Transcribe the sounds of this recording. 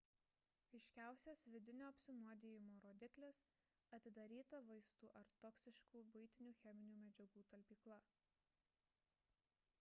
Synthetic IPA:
ɐɪʃʲkʲæˑʊsʲɛsʋʲɪd̪ʲɪnʲoːɐpʲsʲɪnuɔd̪ʲeːjɪmoːɾoːd̪ʲɪklʲeːs | ɐt̪ʲɪd̪ɐɾʲiːt̪ɐʋɐɪst̪uːʔɐɾt̪ɔksʲɪʃkuːbʊɪt̪ʲɪnʲuːxʲɛmʲɪnʲuːmʲɛd͡ʒʲɛɡuːt̪ɐlʲpʲiːklˠɐ

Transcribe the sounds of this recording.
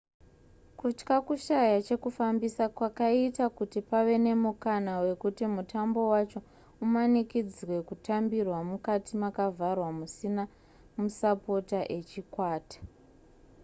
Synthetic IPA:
kut͡ʃkakuʃajat͡ʃe̞kufambisakwakaitakutipaʋe̞ne̞mukanawe̞kutimutambo̞wat͡ʃo̞ | umanikid͡zwe̞kutambirwamukatimakavʱarwamusina | musapo̞taʔe̞t͡ʃikwaːtḁ

